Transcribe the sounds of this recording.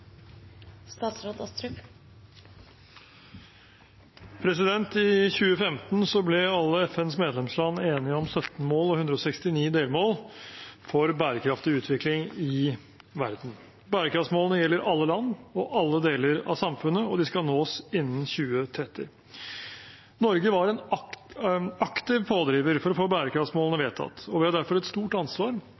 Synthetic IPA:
st̪ɑːt̪sɾoːd̪ɔst̪ɾʉk | pʰɾɛsɪd̪ɛnt̪ɪçʉːəfɛmt̪n̩sɔblɛɑlːəɛfɛnsmeːd̪lɛmslɑnːeːnɪəɔmsœt̪n̩moːlɔhʉnd̪ɾɔsɛkst̪ɪniːd̪eːlmoːlfɔɾbæːɾəkʰɾɑft̪ɪʉːt̪ʰʋɪklɪŋɪ | ʋæ̰ɾd̪n̩ | bæːɾəkʰɾɑft̪smoːlənəjɛlːəɾɑlːəlɑnːɔʔɑlːəd̪eːləɾɑ̰ʋsɑmfʉnəɔd̪ɪskɑlnoːsɪnːənçʉːət̪ʰɾɛt̪ːɪ̰ | nɔɾɡəʋɑɾɛn | ɑkt̪ɪʋpʰoːd̪ɾiːʋəɾfɔɾɔfoːbæːɾəkʰɾɑftsmoːlənəʋeːt̪ʰɑ̰t̪ːɔʋɪhɑd̪æɾfɔɾɛt̪st̪uːʈɑnsʋɑːɾ

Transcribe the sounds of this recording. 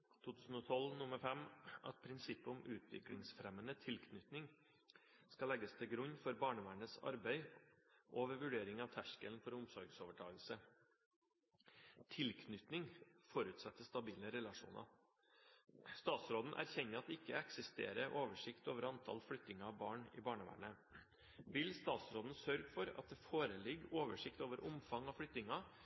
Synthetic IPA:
t̪ʰuːt̪ʰʉːsn̩ɔt̪ʰɔlnʊməɾfɛmʔɑ̰t̪̚pʰɾɪnsɪpːəʊmʉːt̪ʰʋɪ̰klɪ̰ŋsfɾɛmənət̪ʰɪlkʰnʏt̪nɪŋ | skɑlɛɡəst̪ʰɪlɡɾʉɲːfɔɾbɑːɳəʋæɳəsɑ̰ɾbæɪʔoːʋəɾʋʉɖeːɾɪŋɑʋt̪ʰæʂkəlnfɔɾʊmsɔɾɡsoːʋəʈʰɑːɡlsə | t̪ʰɪlkʰnʏt̪nɪŋfɔɾʉːt̪sɛt̪ːəst̪ɑbiːləɾɛlɑʂṵːnɑ̰ | st̪ɑːt̪sɾoːd̪n̩ʔæ̰ɾçɛɲːəɑt̪ɛɪkːəɛksɪst̪ḛːɾəʔoːʋəʂɪkt̪oːʋəɾɑnt̪ʰɑ̰lflʏt̪ːɪŋɑɑbɑːɳɪ̰ːbɑːɳəʋæ̰ːɳə | ʋɪlst̪ɑːt̪sɾoːd̪n̩sœɾɡfɔɾɑ̰t̪̚d̪ɛfoːɾəlɪɡoːʋəʂɪkt̪oːʋəɾʔʊ̰mfɑŋɑʋflʏt̪ɪŋɑ

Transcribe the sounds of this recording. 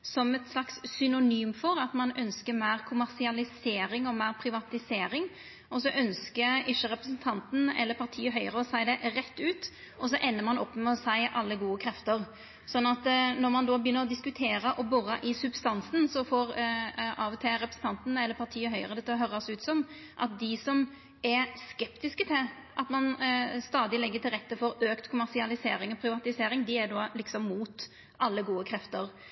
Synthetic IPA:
sɔmɛt̪slɑkssʏnʊnyːmfɔɾɑt̪mɑnœnskəmæɪɾkʰʊmæɾsɪɑlɪseːɾɪŋɔmæɪɾpʰɾɪʋɑt̪ɪseːɾɪŋ | ɔsɔʔœnskəɪʃːəɾɛpɾəsn̩t̪ʰɑnt̪n̩ɛ̰lːəpʰɑɾt̪ʰiːəɦœʏəɾəɔsæɪd̪ɛɾɛt̪ːʉːt̪ | ʔɔs̬ɔʔɛnːəmɑnɔ̰pːmɛɔsæɪʔɑlːəɡuːəkʰɾɛft̪əɾ | sɔnːɑt̪nɔɾmɑnd̪oːbəjʏnːəʁɔd̪ɪskʉt̪ʰeːɾəʔɔbʊʁɑʔɪsʉbst̪ɑnsn̩sɔfoːʁʔɑːʋt̪ʰɛɾɛpɾəsn̩t̪ʰɑnt̪nəɛlːəɾpʰɑʁt̪ʰiːəɦœʏəʁəd̪ɛt̪ːəɦœɾɑsʉːt̪sɔm | ʔɑ̰t̪̚d̪ɪsɔm | ɛskɛpt̪ɪskət̪ʰɪl | ʔɑt̪mɑnst̪ɑːd̪ɪlɛɡːət̪ʰɪlʁɛt̪ːəfɔɾøːkt̪kʰʊmæʁsɪɑlɪseːɾɪŋɔpʰɾɪʋɑt̪ɪseːɾɪŋd̪ɪɛd̪oːlɪksɔmːuːt̪ | ʔɑlːəɡuːəkʰɾɛft̪əɾ

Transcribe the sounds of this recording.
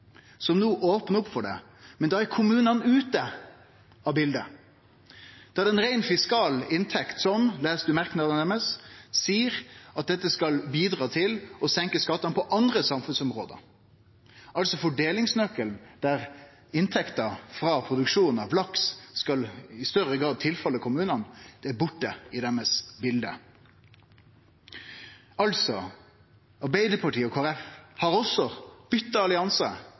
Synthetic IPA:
sɔmnuːʔoːpnʊpfɔɖɛ̰ | mɛnd̪ɑæɾkʰʊmʉːnɑnʉːt̪ə | ɑbɪld̪ə | d̪̥ɑæɖ̪ɛnɾæɪnfɪskɑːlɪnt̪ʰɛkt̪sɔmlæːsd̪ʉmæɾknɑd̪nɛməssiːəɾɑt̪̚d̪ɛt̪ːəskɑlbiːd̪ɾɑːt̪ʰɪlɔsɛŋkəskɑt̪ːɑnpʰɔʔɑnd̪ɾəsɑmfʉnsɔmɾo̰ːd̪ə̰ | ʔɑlsɔfɔɖeːlɪŋsnœkːəlnd̪̥æʁ | ɪnt̪ʰɛkt̪ɑfɾɑpʰʁʊd̪ʉkʂuːn̩ɑʋlɑksskɑlɪst̪œɾəɡʁɑːd̪̚t̪ʰɪlfɑlːəkʰʊmʉːnɑnd̪̥ɛæbʊʈːəɪd̪ɛæməsbɪld̪ə̰ | ɑlsɔ | ɑɾbæɪd̪əpʰɑʈʰiːɔkʰoːæɾɛfhɑɾɔsːɔb̥ʏt̪ːɑɑlɪɑnsɑ

